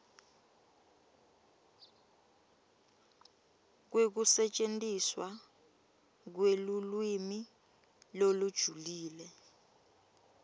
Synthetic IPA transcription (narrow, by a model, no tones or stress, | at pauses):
k̬wek̬usɛt͡ʃʼentʼiswa | k̬welulwimi | lolud̥ʒ̥ʱuliːlɛ